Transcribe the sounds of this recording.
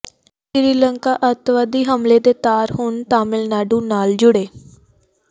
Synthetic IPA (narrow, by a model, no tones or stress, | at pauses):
ʃɪɾiːləŋkaːʔət̪ʋaːd̪iːɦəmleːd̪eːt̪aːɾɦʊnt̪aːmɪlnaːɖũːnaːld͡ʒʊɽeː